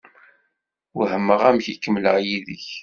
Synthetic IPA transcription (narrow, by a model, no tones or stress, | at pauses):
whəmːəʁæmçikːəmləʁjiðə̰ç